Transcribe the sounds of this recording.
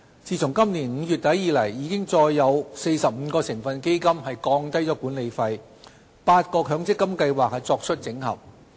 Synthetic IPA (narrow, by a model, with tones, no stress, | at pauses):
t͡siː˨˧t͡sʰʊ˨˩ŋkɐ˥mniː˨˩nm̩˨˧jyː˨t̚t̪ɐ˨˥jːiː˨˧lɐ˨˩jːiː˨˧kɪ˥ŋt͡sɔː˧jːɐ˨˧wse˧jsɐ˨p̚m̩˨˧kɔː˧sɪ˨˩ŋfɐ˧nke˥jkɐ˥mhɐ˨jkɔː˧ŋt̪ɐ˥jt͡sɔː˨˥kuː˨˥nle˨˧jfɐ˧j | paː˧t̚kɔː˧kʰœː˨˥ŋt͡sɪ˥kːɐ˥mkɐ˧jwaː˨k̚ːɛ˧t͡sɔː˧k̚t͡ʃʰɵ˥t̚t͡sɪ˨˥ŋhɐ̰˨˩p̚